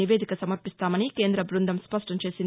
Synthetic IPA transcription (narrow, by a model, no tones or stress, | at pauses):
iʋeːd̪ikɐsɐmɐɾpist̪aːmɐnike̞ːnd̪ɾɐbɾund̪ʱɐmspɐʂʈɐmt͡ʃe̞ːsin